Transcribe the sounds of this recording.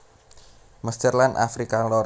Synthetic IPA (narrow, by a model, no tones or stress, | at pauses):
məsdərlana̰fɾikalɔ